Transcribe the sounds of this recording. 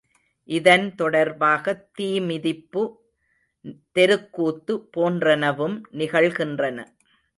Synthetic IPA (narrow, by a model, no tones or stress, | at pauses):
ʔɪðɐnt̪ɔɽɐɾbaːɣɐt̪ːiːmɪðɪpːɯ | t̪ɛɾɯkːuːt̪ːɯpoːndrɐnɐʋɯmnɪɣɐɭɣɪndrɐnɐ̰